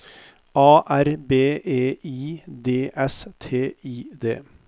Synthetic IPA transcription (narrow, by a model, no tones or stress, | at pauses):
ɑːʔæɾbeːeːʔiːd̪eːʔɛst̪ʰeːiːd̪ḛː